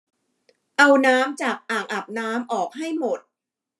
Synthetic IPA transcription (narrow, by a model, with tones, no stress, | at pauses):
ʔa˧wnaː˦˥mt͡ɕaː˨˩k̚ʔaː˨˩ŋʔa˨˩p̚naː˦˥mʔɔː˨˩k̚ɦa˥˩jmo˨˩t̪̚